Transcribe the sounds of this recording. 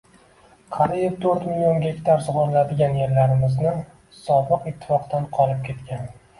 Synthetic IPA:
qʰɑɾijɪft̪ʰɵɾt̪milʲionɡʲe̞kʲt̪ʰaɾsʊʁɒɾlad̪ɪɡʲanje̞ɾlaɾɪmɪznɪ | sɒbɨqɪt̪ʰːɪ̥fɒqd̪anqʰɒlˠɪp̚kʲʰe̞t̪kʲan

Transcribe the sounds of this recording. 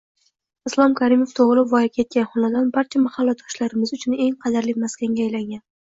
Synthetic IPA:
ɪslˠɒmkʲʰaɾimoft̪ʰoʁlˠɪvɒjakʲʰe̞t̪̚kʲanχɒnad̪ɒnbaɾt͡ʃʰamahalˠːat̪ʰɒ̥ʃlaɾɪmɪzʊt͡ʃʰʊne̞ŋqʰɑd̪aɾlɪmaskʲaŋɡʲajlaŋɡʲan

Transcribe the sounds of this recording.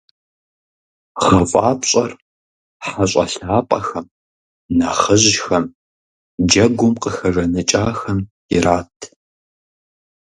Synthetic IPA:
χɐfʼaːpɕʼɐr | ħaɕʼɐ̰ɬaːpʼɐxɐm | naχəʑxɐm | d͡ʒɐɡʷʊmqəxɐʐɐnɨt͡ʃʼaːxɐmjɪɾaːtʰ

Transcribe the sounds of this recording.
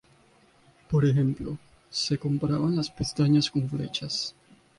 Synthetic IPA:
poɾexemplo | sekompɾaβanlaspest̪aɲaskoɱflḛt͡ʃas

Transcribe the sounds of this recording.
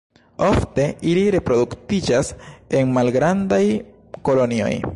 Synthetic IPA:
o̞fte̞iliɾe̞pɾo̞duktid͡ʒase̞nmalɡɾandaj | ko̞lo̞nio̞̰j

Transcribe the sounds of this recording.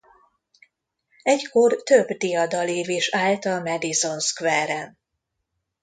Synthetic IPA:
ɛcko̞rt̪øbd̪ijɒd̪ɒleːveːʃaːlt̪ɒmɛd̪izo̞nskvɛɾɛn

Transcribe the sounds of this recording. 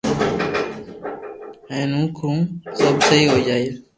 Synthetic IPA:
ɦɛ̃ːnũːkʰũːsəbsəɦiːɦoːd͡ʒaːe

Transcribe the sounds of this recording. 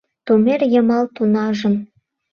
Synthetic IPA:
t̪umʲerjɤ̆mɑlˠt̪unɑʒɤ̆n

